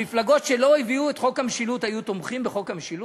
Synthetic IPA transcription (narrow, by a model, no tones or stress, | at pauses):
iflaɡo̞t̪ʃe̞lo̞eviuet̪χo̞khameʃilut̪hajut̪omχimbeχo̞khamʃilu